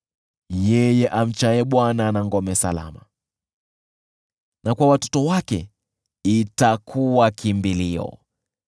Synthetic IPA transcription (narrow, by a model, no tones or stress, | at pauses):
jɛjɛʔam̩t͡ʃajɛɓwananaŋɡɔmɛsa̰la̰ma̰ | nʔakwawatɔ̥tɔwakɛ | itakʰuwakimbiliɔ̰